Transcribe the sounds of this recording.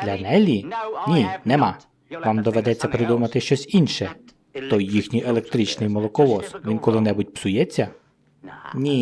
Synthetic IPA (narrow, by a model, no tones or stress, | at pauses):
d̪̥lʲɐnɛlʲinʲinɛma | ʋamd̪ɔʋɛd̪ɛt͡sʲːɐpɾɪd̪umɐt̪ɪʃt͡ʃɔsʲinʃɛ | t̪ɔjːixnʲijʔe̞lˠek̚t̪ɾit͡ʃnɪjmɔlˠɔkɔlˠɔsʋʲinkɔlˠɪnɛbʊtʲpsʊjɛt͡sʲːɐ | nʲi